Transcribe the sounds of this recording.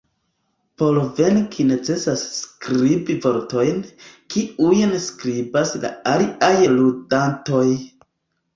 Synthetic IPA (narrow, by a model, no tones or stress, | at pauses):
po̞lve̞nkʰine̞t͡se̞sasːkɾibivo̞ɾto̞jnkiujnskɾibasla̰aliʔajludanto̞j